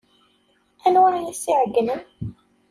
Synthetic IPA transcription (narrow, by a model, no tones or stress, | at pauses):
ænwaɾjisiʕəɡənən